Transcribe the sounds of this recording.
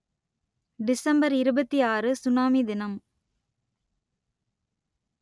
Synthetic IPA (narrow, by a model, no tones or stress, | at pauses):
ɖɪsɐmbɐɾɪɾɯbɐt̪ːiaːrɯsʊnaːmid̪ɪnɐm